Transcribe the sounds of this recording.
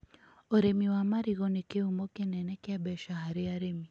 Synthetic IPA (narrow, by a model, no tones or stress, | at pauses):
ɔɾemiwamaɾiɣɔnikeumɔkɛnɛnɛkɛabɛʃaɦaɾiaɾemi